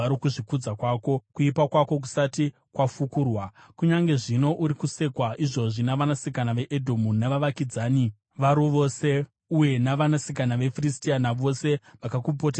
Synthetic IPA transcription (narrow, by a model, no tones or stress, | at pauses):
aɾikuʐikud͡zakwaːko̞kuipakwako̞k̬u̥sati | kwafukuːrwa | kuɲaŋɡe̞ʐino̞ʔuɾikuse̞kwaʔiʐo̞ʐinaʋanasikanaʋe̞ʔedʱomunaʋaʋakid͡zaːni | ʋaɾuʋo̞se̞ | uje̞naʋanasikanaʋe̞firistianaʋo̞se̞ʋakakupotea